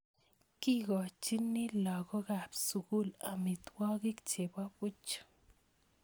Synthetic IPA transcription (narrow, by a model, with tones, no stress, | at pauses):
ki˦ɡo˨t͡ʃi˦ni˦la˨ɡo˦ɡa˨psu˨ɡu˦la˨mi˨t̪wa˦ɡi˦kt͡ʃe˨ba˦bu˦t͡ʃḁ˦